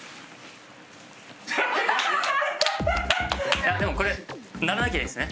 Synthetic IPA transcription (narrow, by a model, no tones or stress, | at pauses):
jad̪emo̞ko̞ɾe̞naɾanakʲeiesɨne